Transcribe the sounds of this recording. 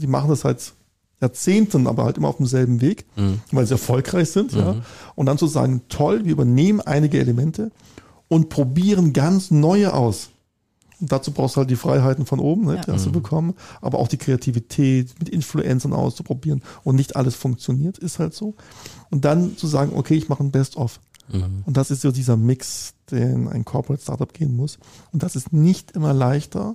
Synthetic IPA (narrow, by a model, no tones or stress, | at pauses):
d̥iːma̰χn̩dasz̥aɪt | jaːɐt͡seːntənʔa̰ːbɐha̰ltʔɪmɐaʊfd̥emzɛlbm̩veːkvaɪlziɛɐfɔlkʁ̥aɪçz̥ɪntjaːʔʊntd̥ant͡suza̰ːɡŋ̩tʰɔlviːɐʔybɐneːmənʔa̰ɪnɪɡəʔḛləmɛntʰə | ʔʊntpʁ̥obiːʁ̞ənɡant͡snɔʏəʔa̰ʊs | ʊntd̥at͡suːbʁaʊstuːhalt̬̚d̥iːfʁ̥a̰ɪɦaɪtn̩fɔnʔoːbm̩nəd̥iːha̰std̥uːbəkʰɔmənʔa̰ːbɐʔa̰ʊxd̥iːkʁ̥eatʰivitʰɛːtmɪtɪnfluʔɛnt͡sɐnʔa̰ʊst͡supʁ̥obiːʁənʔʊntnɪçtʔa̰ləsfʊŋk̚t͡sjoniːɐtɪsthaltz̥oːʔʊnt̚d̥ant͡suzaːɡŋ̩ʔo̰kʰeːɪçmaχənbɛstʔɔf | ʔʊntd̥asɪstz̥oːdiːzɐmɪksd̥eːna̰ɪnkʰɔɐpəʁɛtsta̰ɐtap̚ɡ̥eːənmʊs | ʊntd̥asɪstnɪçtʔɪmɐlaɪçtɐ̰